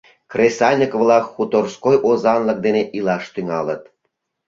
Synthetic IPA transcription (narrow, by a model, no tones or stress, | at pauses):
kresɑlʲnʲikvlɑkːut̪orskojʔozɑnlə̆k̚d̪eneʔilɑʃt̪yŋɑlət̪̚